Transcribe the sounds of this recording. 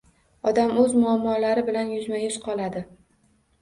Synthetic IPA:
ɒd̪amɵzmʊamːɒlaɾɪbɪlanjʊzmajɪʃqʰɒlˠad̪ɪ

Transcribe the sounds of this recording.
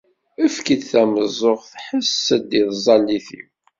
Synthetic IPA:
əfkid̪θæməzˤoʁθħəsːəd̪iðzˤɑlːiθḭw

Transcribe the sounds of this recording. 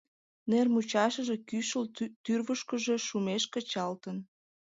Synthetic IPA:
nermut͡ɕɑʃəʒe̽kyʃəlt̪yrβəʃkəʒe̽ʃumeʃkət͡ɕɑlt̪ən

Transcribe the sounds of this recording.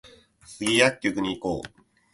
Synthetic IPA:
sɨɡʲijakʲːokɯ̟ɲ̟iːko̞̰ː

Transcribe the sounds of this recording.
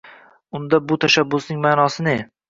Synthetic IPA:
ʊnd̪abʊt̪ʰaʃabːʊsnɪŋmaːnɒsɪne̞

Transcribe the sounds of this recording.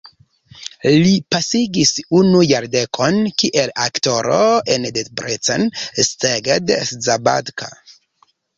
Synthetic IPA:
lipasiɡisunujaɾdekʰo̞nkiʔelakto̞ɾoendetbɾʔet͡sansteɡedeszaba̰dkʰa̰

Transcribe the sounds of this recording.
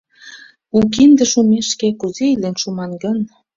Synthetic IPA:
ukind̪ə̆ʃumeʃkekuzeilenʃumɑnɡən

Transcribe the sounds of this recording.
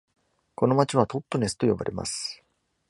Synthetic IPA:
ko̞no̞mat͡ɕiβ̞at̪o̞t̪ːo̞ne̞sɨ̥t̪o̞jo̞ba̰ɾḛma̰sɨ̥

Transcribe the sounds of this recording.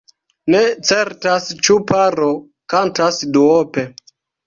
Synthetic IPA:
ne̞t͡se̞ɾtast͡ʃupaɾo | kantasduope̞

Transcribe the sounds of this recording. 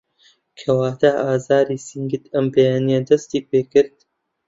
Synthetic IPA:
kʰɐwaːd̪aʔaːzaːɾiːsɨŋɡɨt̪ɐmbejaːnijɐd̪ɐst̪iːpeːkɨɾd̪̚

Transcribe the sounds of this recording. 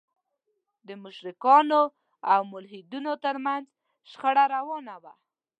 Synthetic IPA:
d̪əmʊʃɾɪkɑno | awmʊlɦid̪unot̪əɾmanz | ʃxəɽaɾawɑnawa

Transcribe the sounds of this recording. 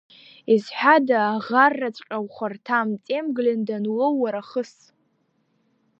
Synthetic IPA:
izħʷᶣadaːʁarːat͡sʷʼqʲʼawχʷartʰamt͡sʼe̞mɡlɪndanwowːaɾaχəs

